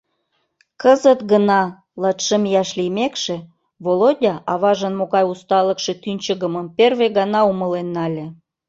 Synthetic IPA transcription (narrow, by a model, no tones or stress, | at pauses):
kəzət̪ɡənɑ | lɑt̪ʃəmjɑʃlijmekʃĕ | βolodʲɑʔɑβɑʒənmoɣɑjust̪ɑləkʃĕt̪ynʲt͡ɕəɣəməmperβeɣɑnɑuməlenːɑlʲe